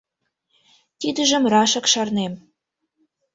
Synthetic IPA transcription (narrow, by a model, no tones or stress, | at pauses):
t̪id̪ə̆ʒə̆mrɑʃə̆kʃɑrnem